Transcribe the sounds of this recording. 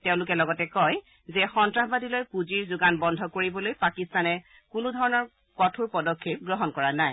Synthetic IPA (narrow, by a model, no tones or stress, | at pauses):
teʊ̃lʊkɛlɔɡɔtɛkɔj | zɛxɔntɹaɦbadilojpuziɹzʊɡanbɔndʱɔkoɹibɔlojpakistanɛ | kʊnʊdʱɔɹɔnɔɹ | kɔtʰuɹpɔdɔkʰːep̚ɡɹɔɦɔnkɔɹanaj